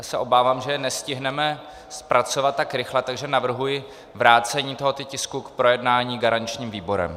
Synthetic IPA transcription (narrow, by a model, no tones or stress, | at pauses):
sɛʔo̞baːvaːmʒɛjɛnɛscɪɦnɛmɛ | spɾʔat͡so̞vat̪̚ːakɾɪxlɛt̪aɡʒɛnavr̩ɦujɪ | vɾaːt͡sɛɲiːt̪o̞ɦot̪ʊcɪskukpɾo̞jɛdnaːɲiːɡaɾant͡ʃɲiːmviːbo̞ɾɛ̰m